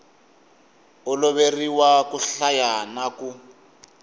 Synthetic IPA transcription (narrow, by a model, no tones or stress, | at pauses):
ɔlɔβeriwakuɬajanaku